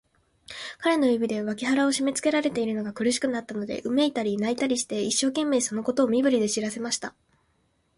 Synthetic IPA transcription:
kaɾe̞no̞jɯbʲid̪e̞β̞akʲiɦaɾao̞ɕime̞t͡sɨ̥ke̞ɾaɾe̞t̪e̞iɾɯ̟no̞ɡakɯ̟ɾɯ̟ɕ̬i̥kɯ̟nat̪ːano̞d̪e̞̰ʔɯ̟me̞it̪aɾʲinait̪aɾʲiɕi̥t̪e̞iɕːo̞ːkẽ̞mːe̞ːso̞no̞ko̞t̪o̞ːmʲibɯ̟ɾʲid̪e̞ɕiɾase̞maɕi̥t̪a

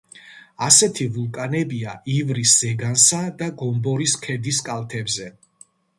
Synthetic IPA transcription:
asɛt̪ʰivulˠkʼanɛbiaʔivɾisz̥ɛɡansad̪aɡɔmbɔɾiskʰɛd̪iskʼalˠt̪ʰɛbzɛ

